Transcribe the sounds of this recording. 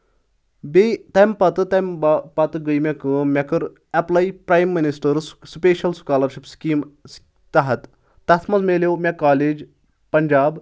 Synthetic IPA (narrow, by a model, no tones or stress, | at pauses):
bet̪ɐmpɐt̪t̪ɐmbpɐt̪ɡəjmʲekɨmʲɐkəɾ | ɐplajpɾaːjmːinisʈəɾspeːʃɐlsu̥kaːlɐɾʃipskiːms | t̪ɐɦɐt̪ː | ɐt̪ʰmɐzmelewmʲɐkaːleːd͡ʑ | pɐɲd͡ʒaːb